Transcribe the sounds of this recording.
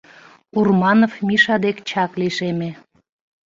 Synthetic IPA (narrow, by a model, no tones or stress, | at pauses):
urmɑnofmiʃɑd̪ekt͡ɕɑkliʃeme